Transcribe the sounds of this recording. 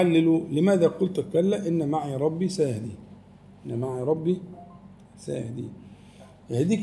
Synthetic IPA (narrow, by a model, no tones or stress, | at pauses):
alːelulemæːd̪æqolt̪kælːæʔɪnːæmaʕiɾˤɑbːisæːhd̪i | ʔɪnːmaʕiɾˤɑbːi | sæ̰ːhd̪ḭ | hæːd̪iːk